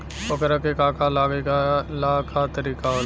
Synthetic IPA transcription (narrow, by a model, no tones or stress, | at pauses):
okəɾəkekaːkalaɡelaːkʰat̪əɾiːkaɦo